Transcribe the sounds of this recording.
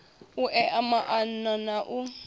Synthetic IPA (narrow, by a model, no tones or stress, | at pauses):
uʔɛʔamaʔannanaʔu